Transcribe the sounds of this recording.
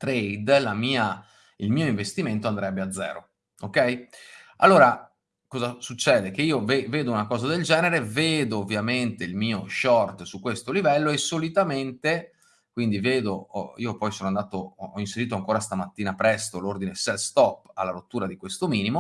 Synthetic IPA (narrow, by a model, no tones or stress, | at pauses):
t̪ɾejd̪lamiːa | ilmiːoiɱvest̪iment̪oand̪ɾɛbːead̪zːɛ̰ːɾo̰ | okːɛja̰lːoːɾa | kɔːzasut͡ʃːɛːd̪ekeiːoveveːd̪ounakɔːzad̪eld͡ʒɛːneɾeveːd̪oːvːjament̪eilmiːoʃɔrt̪sukːwest̪olivɛlːoesolit̪ament̪e | kwind̪iveːd̪oḭopɔjsoːnoand̪aːt̪oɔɔinseɾiːt̪oaŋkoːɾast̪amat̪ːiːnapɾɛst̪olord̪inesɛlst̪ɔpːa̰lːaɾot̪ːuːɾad̪ikwest̪omiːnimo